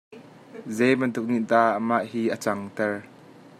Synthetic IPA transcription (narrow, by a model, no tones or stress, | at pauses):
zejbɐnt̪ʊk̚niʔd̪aʔəmaʔhiːʔət͡saŋt̪ɛr